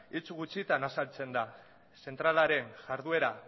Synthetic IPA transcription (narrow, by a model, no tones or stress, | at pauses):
it͡suɣut͡sit̪anasalt͡se̞nd̪a | se̞nt̪ɾalaɾe̞nʝaɾðue̞ɾa